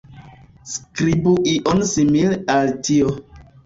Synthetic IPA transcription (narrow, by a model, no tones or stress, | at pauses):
skɾibuʔiʔɔnsimilaltio